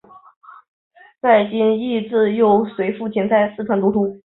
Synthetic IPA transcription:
t͡sa˥˩ɪt͡ɕi˥ni˥˧t͡sɹ̩˥˧jo˥˩ʊswe˧˥ɪfu˥˩t͡ɕʰi˧˥ŋt͡sa˥˧ɪsɹ̩˥˩ʈ͡ʂʰə˧˥nt̪u˧˥t̪ʰu˥

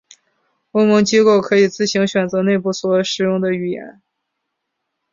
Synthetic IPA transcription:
o˥ʊmɤ˧˥ŋt͡ɕi˥ko˥˩ʊkʰɤ˧˥i˨˩t͡sɹ̩˥˩ɕi˧˥ŋɕɥɛ˨˩nt͡sɤ˧˥ne˥˧ɪpu˥˩swɔ˧˥ʂɻ̩˨˩jʊ˥˩ŋd̪ə˨y˨˩jɛ̰˧˥n

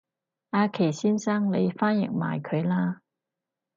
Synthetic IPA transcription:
aː˧kʰe˨˩jsiː˥nsaː˥ŋle˨˧jfaː˥njɪ˨˩ŋ̚ma̰ː˨˩jkʰɵ˨˧ɥlaː˥

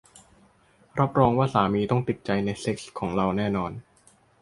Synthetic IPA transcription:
ɾa˦˥p̚ɾɔː˧ŋwaː˥˩saː˩˦miː˧t̪ɔ˥˩ŋt̪i˨˩t̪̚t͡ɕa˧jna˧jse˦˥k̚skʰːɔː˩˦ŋɾa˧wnɛː˥˩nɔː˧n

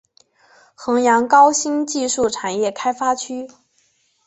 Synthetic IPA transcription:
xɤ˧˥ŋjɑ˧˥ŋkɑ˥ʊɕi˥nt͡ɕi˥˧ʂu˥˩ʈ͡ʂʰa˨˩njɛ˥˩kʰa˥ɪfa˥t͡ɕʰy˥

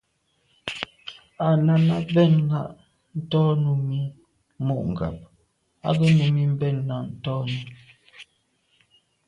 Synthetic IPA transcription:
a˨na˨na˦bɛ˦˨nːa˦ʔ | n̩˦tɔ˦nu˨mi˦ | mɔ˦˨ʔŋ̩˨ɡa̰˨p̚ | a̰˦bə˦nu˨mi˦m̩˦bɛ˦˨nːa˦˨ʔn̩˦tɔ˦nu˨˦˨

